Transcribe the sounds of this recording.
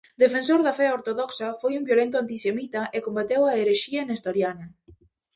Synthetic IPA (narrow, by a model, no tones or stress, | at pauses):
d̪efensoɾðɐfɛoɾt̪oðɔksɐfojumbjolent̪̬ʊant̪isemit̪ɐʔekombat̪ewaeɾeʃiɐnest̪oɾjanɐ